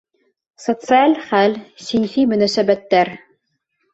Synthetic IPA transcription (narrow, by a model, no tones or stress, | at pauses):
sot̪sɨalʲχælʲsʲinfimɵ̆næsæbæt̪ːæɾ